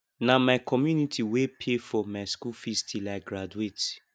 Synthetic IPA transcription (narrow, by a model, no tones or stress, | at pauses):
namaɪkʰɔmjunitʰiwepʰefɔmaɪskufistilaɡɾaduet